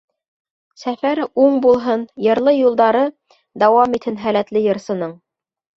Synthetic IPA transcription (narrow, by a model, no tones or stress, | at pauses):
sæfæɾuɴbulˠɦɤnjɤ̆ɾlˠɤjulˠd̪ɑɾɤ | d̪ɑwɑmit̪hɘnɦælæt̪lɘjɤ̆ɾsɤ̆nɤɴ